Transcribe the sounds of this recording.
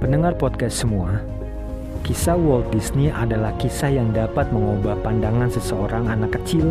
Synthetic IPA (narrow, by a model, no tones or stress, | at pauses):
pənəŋarpɔt̪̚kɛst̪səmua | kisawɔlt̪̚disniʔadalahkisajaŋdapat̪̚məŋobahpandaŋansəsəoɾaŋanakːət͡ʃil